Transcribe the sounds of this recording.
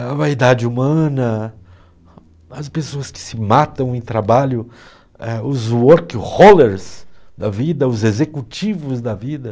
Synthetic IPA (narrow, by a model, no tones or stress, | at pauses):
ɐvaid̪ad͡ʒɪumɐ̃nɐ | ɐspesoɐskɪ̥sɪmat̪ɐ̃w̃ẽj̃t̪ɾabaʎʊ | ɛʊzwɔɾkholeɾzd̪ɐvid̪ɐʊzezekut͡ʃivʊzd̪ɐvid̪ɐ